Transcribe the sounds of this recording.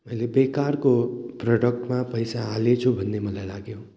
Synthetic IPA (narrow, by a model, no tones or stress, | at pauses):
elebekaɾkopɾɔɖək̚ʈmãpəjsaalet͡ʃʰobʱənːeməlalaɡjo